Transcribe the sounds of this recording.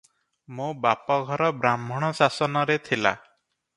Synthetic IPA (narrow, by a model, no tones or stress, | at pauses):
mũbapɔɡʱɔɾɔbɾamːɔɽ̃ɔsasɔnɔɾet̪ʰila̰